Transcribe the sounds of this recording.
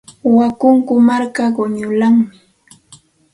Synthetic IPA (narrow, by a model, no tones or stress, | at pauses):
wakʊŋkʊmaɾkaɢʊɲʊlaŋmɪ